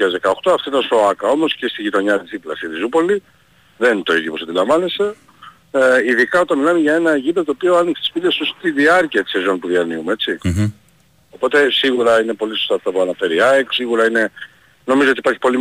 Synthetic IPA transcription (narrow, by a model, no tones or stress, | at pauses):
ɐzðekɐo̞xt̪o̞ɐft̪oit̪ɐnso̞ɐkɐo̞mo̞sce̞st̪iʝit̪o̞ɲɐt̪izðiplɐ̰sit̪izupo̞li | ðe̞nt̪o̞iðjoposɐd̪ilɐɱvɐnese̞ | iðikɐo̞t̪ɐnmilɐmeʝɐe̞nɐʝipɐt̪oopioɐnikse̥t̪isfit̪est̪ust̪iðiɐɾciɐt̪i̥sezo̞npuðiɐɾniumee̞t͡si | o̞po̞t̪e̞siɣuɾɐine̞po̞liso̞st̪aːft̪ɐpuɐnɐfe̞ɾiɐeksiɣuɾɐine̞ | no̞mizoo̞t̪ipɐɾçi̥po̞li